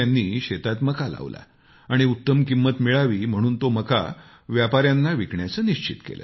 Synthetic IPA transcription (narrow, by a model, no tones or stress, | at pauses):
anːiːɕet̪at̪məkala̰ʋla̰ | aɽ̃iut̪ːəmkimːət̪miɭaʋiːm̤əɽ̃uːnt̪oməka̰ | ʋjapaɾjanːaʋikɳjat͡səːniɕt͡ɕit̪kḛlʔə̰